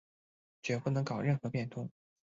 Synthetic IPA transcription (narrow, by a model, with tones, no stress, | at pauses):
t͡ɕɥɛ˧˥pu˥˩nɤ˧˥ŋkɑ˨˩ʊɻə˥˩nxɤ˧˥pjɛ˥˩nt̪ʰʊ˥ŋ